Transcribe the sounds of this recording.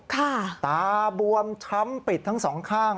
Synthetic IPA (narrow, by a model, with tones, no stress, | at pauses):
kʰa˥˩t̪aː˧bu˧əmt͡ɕʰa˦˥mpi˨˩t̪̚ʰːa˦˥ŋsɔː˩˦ŋkʰaː˥˩ŋ